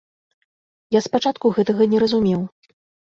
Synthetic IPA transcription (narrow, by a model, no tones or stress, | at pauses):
jaspat͡ʂat̪kuɣɛt̪ɐɣɐnʲɛɾɐzumʲɛw